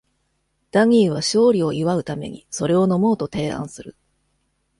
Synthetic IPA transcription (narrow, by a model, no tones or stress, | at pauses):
d̪̥aɲ̟ʲiːβ̞aɕo̞ːɾʲio̞ʔiβaɯ̟t̪ame̞̰ɲ̟ḭso̞ɾe̞o̞no̞mo̞ːt̪o̞t̪e̞ːã̰ɰ̃sɨɾɯ̟